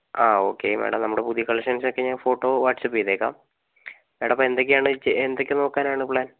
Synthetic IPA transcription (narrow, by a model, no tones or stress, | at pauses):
aːo̞ːkːemḛːɽɐ̰mnɐmːuɽepuðijɐkɐɭɐkʂɐnsokːeɲaːnfo̞ːʈːo̞ːʋaːʈsɐpːiðeːkːa̰ːm | meːɽɐmpːɐend̪ok̬ʲːejaːɳɨt͡ɕːeend̪okʲːɨno̞ːkːaːnaːɳɨpɭaːn